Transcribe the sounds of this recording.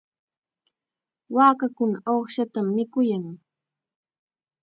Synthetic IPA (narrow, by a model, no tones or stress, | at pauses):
waːkakʊnaʔoχʃat̪amːɪkʊjaŋ